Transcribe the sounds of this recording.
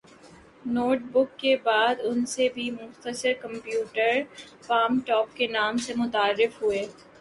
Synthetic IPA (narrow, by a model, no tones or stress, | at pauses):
noːʈbʊkːebaːd̪ʊnsebʱimʊxt̪əʃəɾkɐ̃mpjuːʈəɾ | faːmʈɔːp̚kenaːmsemʊt̪aːɾːɪfɦueː